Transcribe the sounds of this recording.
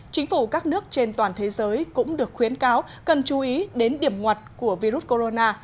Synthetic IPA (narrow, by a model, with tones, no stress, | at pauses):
t͡ɕï˨˦ŋ̟fu˧˩kaː˦˥k̚nɨ˦˥ək̚t͡ɕe˧nt̪waː˨˩nt̪ʰe˨˦zəː˨˦jkʊ̰˧˥ŋ͡mɗɨ˨˩ək̚xwi˨˦ənkaː˨˦w | kə˨˩nt͡ɕu˨˦ʔi˨˦ɗe˨˦nɗi˧˩əmŋwa˨˩t̚ku˧˩əvi˧ɾu˦˥t̚ko˧zo˧naː˧